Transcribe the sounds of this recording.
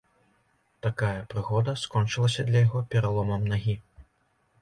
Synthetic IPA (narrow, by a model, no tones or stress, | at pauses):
t̪akajɐpɾɨɣɔd̪ɐskɔnt͡ʂɨlˠɐsʲɐd̪lʲɐjaɣɔpʲɛɾalˠɔmɐmnaɣʲi